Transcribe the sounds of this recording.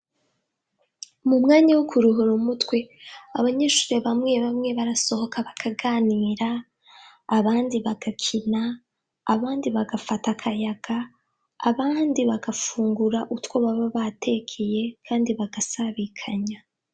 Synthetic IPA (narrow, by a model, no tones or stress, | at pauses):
mumŋaːɲawokuɾuɦuɾumutwe̞a̰βaɲe̞ːʃu̥ːɾeβamŋe̞βamŋe̞βaɾaso̞ho̞kʰaβakʰaɡaːniːɾaː | βaːndiβaɡ̥akʰinaː | βaːndiβaɡafatakʰajaɡ̥aː | βaːndiβaɡafuːŋɡuɾaʔutwoβaβaβatʰe̞kʰeje̞kʰaːndiβaɡ̥asaβikʰaɲa